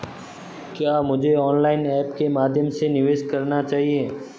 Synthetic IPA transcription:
kjaːmʊd͡ʒʱeɔːnlaːɪnɛːpkemaːd̪ʱjəmsenɪʋeːʃkɐɾnat͡ʃaːɦieː

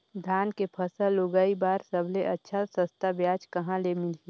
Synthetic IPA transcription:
d̪ʱaːnkepʰɐsəloɡaːibaːɾsɐbʱleʔɐtːʃʰasəst̪abjaːd͡ʒkɐɦãlemɪli

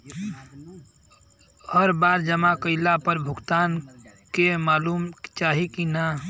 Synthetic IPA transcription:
həɾbaːɾd͡ʒəmakəɪlapəɾbʱʊɡt̪aːnkemaːluːmt͡ʃaːɦikina

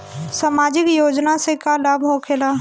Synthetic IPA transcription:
samaːd͡ʒɪkjoːd͡ʒnasekalabʱɦokʰelaː

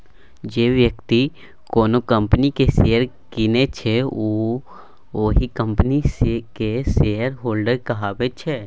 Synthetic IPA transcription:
d͡ʒeːʋjəkt̪i | koːnokə̃mpnikeseːəɾkɪnet͡ʃʰɛo | oːɦikə̃mpnisekeseɦəɾɦoːlɖəɾkɐɦaːbet͡ʃʰɛː

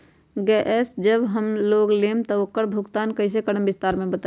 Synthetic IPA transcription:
ɡeːʔɛːsd͡ʒəbɦəmloːɡleːmt̪ɔʊkːəɽbʱʊɡt̪aːnkɐɪs̬ekəɽəmbɪst̪aːɾmẽbɐt̪a

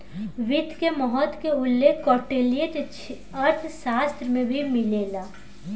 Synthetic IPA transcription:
ʋɪd̪ʱkemɔɦɔt̪keʊlːeːkʰːɔːʈeːlijeʈ̪t͡ʃʰ | ɐɾt̪ʰʃaːst̪ɾmẽbʱimɪleːlaː

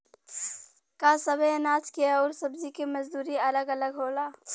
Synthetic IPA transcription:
kasəbʱenaːt͡ʃkieɔːɾsəbd͡ʒikeməzd̪uːɾiɐləɡələɡɦoːlaː

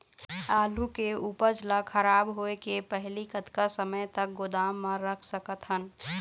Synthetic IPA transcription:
aːlukeuːpəɾd͡ʒlakʰəɾaːbɦoekepəɦlikət̪kasəməjt̪ək̚ɡod̪aːmːə̃ɾəkʰsəkət̪ɦən

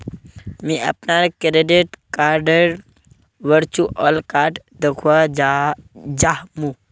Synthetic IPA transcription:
mĩɐ̰pnaɾkɾeɖeʈkaːɾɖəɾ | ʋəɾt͡ʃuʔɔlkaːɾʈ | d̪əkʰua | d͡ʒaɦmũ

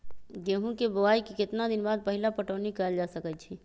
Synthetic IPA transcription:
ɡeɦũkebəaikikɪt̪nad̪ɪnbaːd̪̚pəɦilapəʈəːnikəld͡ʒasəkət͡ʃʰi

